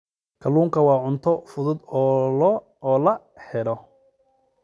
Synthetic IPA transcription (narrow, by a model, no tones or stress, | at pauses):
kʰɐluːŋkʰɐwɑːʕʊnt̪ʰɔfʊðʊd̪ɔːlɔ | ɔːlɐ | ħɛɾɔ